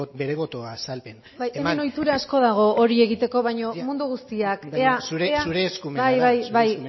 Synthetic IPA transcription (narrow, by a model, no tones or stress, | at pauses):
beɾeβo̞t̪oasalpen | bajemeno̞jt̪uɾaːsko̞ð̞aɣ̞o̞ʔoɾie̞ɣ̞it̪e̞ko̞βajɲo̞mund̪uɣ̞ust̪iakeasuɾeeasuɾeskumajβajβaj